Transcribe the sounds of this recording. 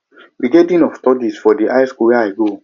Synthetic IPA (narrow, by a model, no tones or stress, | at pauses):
biɡedĩnɔftɔdisfɔdiʔaɪskuwɛaɪɡo